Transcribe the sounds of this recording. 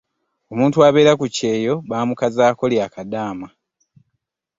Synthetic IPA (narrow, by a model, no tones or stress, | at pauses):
o̞muːntuaβe̞ːɾakuce̞ːjo̞βaːmukazaːko̞ljaːkadaːma